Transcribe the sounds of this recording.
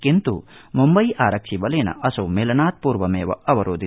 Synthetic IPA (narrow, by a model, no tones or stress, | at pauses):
kint̪ṵmumbɐjʔaːɾɐkʂibɐleːnɐ̰ʔɐsɐumeːlɐnaːt̪̚puːɾʋɐmeːʋɐ̰ɐʋɐɾoːd̪i